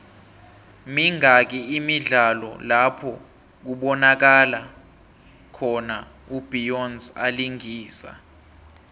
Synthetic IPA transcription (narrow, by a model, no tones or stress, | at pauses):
miŋak̬iːmiɮalɔ̰lapʰɔ | k̬uɓɔnak̬ala | kʰɔna | ub̥ʱijɔnza̰liŋiːsa̰